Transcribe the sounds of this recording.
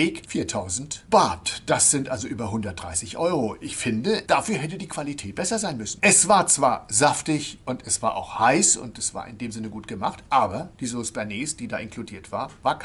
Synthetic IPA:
eːkfiːɐtʰaʊzn̩tb̥aːtd̥asz̥ɪntʔalzoʔyːbɐɦʊndɐt̚d̥ʁa̰ɪsɪçʔɔʏʁoʔɪçfɪndəd̥afyːɐɦɛtədiːkv̥alitʰɛːt̚b̥ɛsɐzaɪnmʏsn̩ʔɛsv̥aːɐt͡sv̥aːɐzaftɪçʔʊntɛsv̥aːɐʔa̰ʊxhaɪsʊ̰ntd̥asv̥a̰ːɐʔɪ̰ndeːmzɪnəɡuːtɡ̥əma̰χtʔaːbɐd̥iːzosb̥ɛɐneːsd̥iːdaːʔɪnkʰludiːɐtv̥a̰ːɐvaːɐkʰ

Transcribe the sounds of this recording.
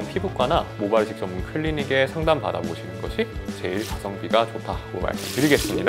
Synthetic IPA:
npʰibuk͈̚anamobaɭɕʰik̚t͡ɕ͈ʌmːunkʰɯɭːiniɡe̞sʰaŋdampada̰boɕʰinɯnɡʌ̰ɕʰit͡ɕe̞iɭtasʰʌŋbiɡat͡ɕotʰaɡoma̰ɭɯɯɾiɡe̞s͈ɯmɲida

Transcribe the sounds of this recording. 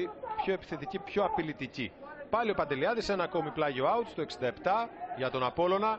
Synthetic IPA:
ipço̞e̞pi̥θet̪icipço̞ɐpilit̪icipɐlio̞pɐnd̪e̞liɐðise̞nɐːko̞miplɐʝio̞ɐut̪st̪oeksind̪ɐe̞pt̪ɐʝɐt̪o̞nɐpo̞lo̞nɐ

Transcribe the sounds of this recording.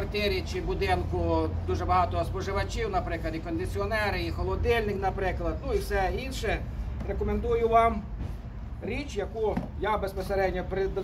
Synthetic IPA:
ɐrt̪ʲiɾʲit͡ʃɪbʊd̪ɪnkʊd̪uʒɛbɐɦɑt̪ɔɦɔspɔʒɪʋɐt͡ʃʲiwnɐpɾɪklˠɐd̪ʲikɔnd̪ɪt͡sʲiɔnɛɾɪixɔlˠɔd̪ɪlʲnɪknɐpɾɪklˠɐd̪nuiwsɛinʃɛrekɔmend̪ujʊʋɑm | ɾʲit͡ʃjɐkujabespɔseɾɛdʲnʲɔpɾɪd̪

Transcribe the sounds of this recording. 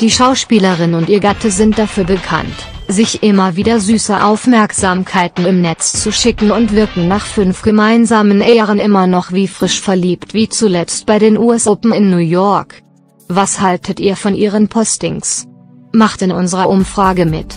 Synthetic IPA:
d̥iːʃaʊʃpiːləʁɪnʊntiːɐɡatʰəzɪnt̚d̥afyːɐbəkʰa̰nt | z̥ɪçʔɪmɐviːdɐzyːsɐʔaʊfmɛɐkz̥aːmkʰaɪtn̩ɪmnɛt͡st͡suʃɪkŋ̩ʊntv̥ɪɐkŋ̩naːχfʏnfɡ̥əmaɪnzaːmənʔɛʁənʔɪmɐnɔχv̥iːfʁ̥ɪʃfɛɐliːptv̥iːt͡sulɛt͡st̚b̥aɪdeːnʔuːɛsʔɔpm̩ɪnːujɔɐk | v̥ashaltʰətʔiːɐfɔnʔiːʁ̞ənpʰɔstɪ̰ŋs | maχtɪnʔʊnzəʁɐʔʊmfʁ̥aːɡəmɪ̰t

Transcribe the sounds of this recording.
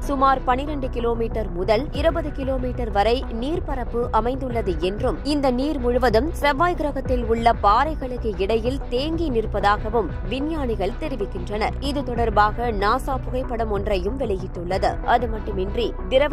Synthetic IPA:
sʊmaːɾpɐnːɪɾɛɳɖɯkɪloːmiːʈːɐɾmʊðɐlɪɾɯbɐðɯkɪloːmiːʈːɐɾʋɐɾɐɪniːɾpɐɾɐpːɯʔɐmɐɪnd̪ɯɭːɐðɯɛndrɯmɪnd̪ɐniːɾmʊɻʊʋɐðɯmsɾɐʋːaːjɡɪɾɐɣɐt̪ːɪlʊɭːɐpaːɾɐɪɣɐɭɯkːɯɪɽɐjɪlt̪eːŋɡinɪrpɐðaːɣɐʋɯm | ʋɪnjaːɳɪɣɐɭt̪ɛɾɪʋɪkːɪndrɐnɐ̰ɾɪðɯt̪ɔɽɐɾbaːɣɐnaːsaːpʊɣɐɪpːɐɽɯmɔndrɐjɯmʋɛɭɐjɪʈːɯɭːɐðɯʔɐðɯmɐʈːɯmɪndrid̪ɪɾɐ

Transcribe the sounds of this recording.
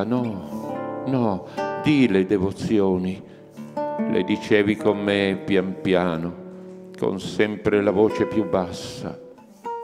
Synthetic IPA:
nɔ | nɔd̪iled̪ɛvot̪sjɔːni | lʔḛd̪it͡ʃɛːvikomːepjampjaːnʊ | ko̰nsɛmpɾelavoːt͡ʃepjubːasːa̰

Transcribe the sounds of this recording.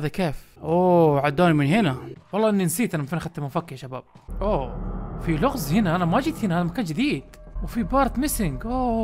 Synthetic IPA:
haːðakeːfʔoːʕad̪ːaːnimɪnɦɪnawɑlːɑːʔɪnːinsiːt̪ʔanamafiːnxat̪ːamafakːɪʃaba̰ːb̥̚ʔoːfilʊɣzhɪnaʔanamaʔd͡ʒiːt̪hɪnahaːðamakaːnd͡ʒɪd̪iːd̪̥̚ | wfibɑːɾˤt̪mɪsɪŋɡʔo

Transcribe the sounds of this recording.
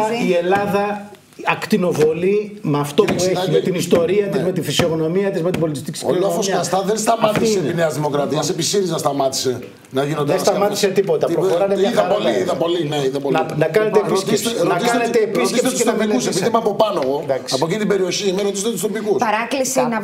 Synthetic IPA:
ie̞lɐðɐ | ɐkt̪ino̞vo̞limeɐft̪opueimet̪inist̪o̞ɾiɐt̪izmet̪ifisioɣno̞miɐt̪izmet̪ibo̞lit̪ist̪iksilofosiɐɐst̪ɐðenst̪ɐmɐt̪iseineɐzðimo̞kɾɐt̪iɐsepisiɾiznɐst̪ɐmɐt̪i̥se̞ | nɐʝinonensst̪ɐmɐt̪i̥se̞t̪ipo̞t̪ɐpɾoxoɾɐneɐðɐoliiðɐpo̞lineiðɐponnɐkɐneepistenɐsɐnet̪eːpisikepsuesɐmpiusspisemɐɐpopɐnoɣod̪ɐksɐpoc̬it̪ibeɾio̞çiemɐɾot̪ist̪et̪ust̪opikusɐɾɐklisin

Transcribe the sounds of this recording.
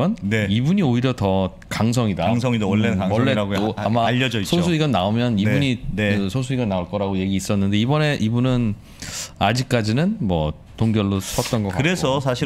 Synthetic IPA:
ʌneibuɲioiɾjʌtʌ | kaŋs̬ʰʌŋidaŋs̬ʰʌŋidaːeawʌɭːeaoamaaʎːʌd͡ʑʌisʰosʰuiɡannaomjʌnibuɲieɯsʰos̬ʰuiɡanːaoɭk͈ʌɾaɡoje̞ɡiːs͈ʌnːɯnde̞ibʌne̞ʔibunɯn | ad͡ʑik̚k͈ad͡ʑinɯnmwʌ | toŋɡjʌɭːosʰʌt̚t͈ʌnɡʌkaɯɾe̞sʰʌsʰaɕʰi

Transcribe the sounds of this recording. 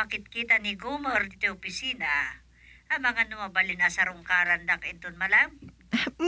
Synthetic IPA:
pɐkɪt̪̚kit̪ɐnɪɡumoɾt̪ɪt̪ɛopɪsiːna | ʔɐmɐŋanʊmabɐlɪnasɐɾʊŋkaɾɐnd̪akɪt̪onmɐlam

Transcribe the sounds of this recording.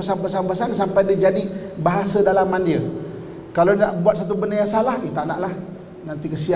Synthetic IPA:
əsampəsaŋpəsansampajdid͡ʒadibaɦasədalamandiə | kalaaʔbuat̪̚sat̪̬ubənəjaŋsalahit̪aʔnaʔlah | nant̪ikəsia

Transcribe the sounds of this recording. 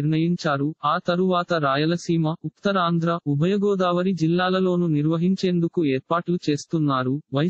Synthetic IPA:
ɾɳɐjiɲt͡ʃaːɾuaːt̪ɐɾuʋaːt̪ɐɾaːjɐlɐsiːmɐukt̪ːɐɾaːnd̪ɾɐubʱɐjɐɡɔːd̪aːʋɐɾid͡ʒilːaːlɐlo̞ːnuniɾʋɐɦiɲt͡ʃe̞ːnd̪ukueːɾpaːʈlut͡ʃe̞ːst̪unːaːɾuʋɐj

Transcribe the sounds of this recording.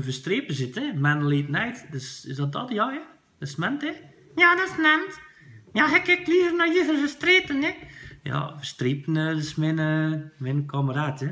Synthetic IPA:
fəstripəsɪtɛmɛnəliːtənɛjtdøsɪsdɔt̚dɔtjɔjə | dɔsmɛntɛ | jaːdɔsnɛnt | jaɦɛkɪkliːvərnɔivərfəstripənjəja̰fəstripənədəsmɪnəmɪnəkʰaməraːtʰjə

